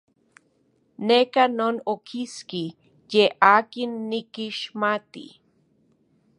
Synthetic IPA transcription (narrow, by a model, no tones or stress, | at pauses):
nekanoːnokʰiski | jeaːkinːikiʃmat̪ḭ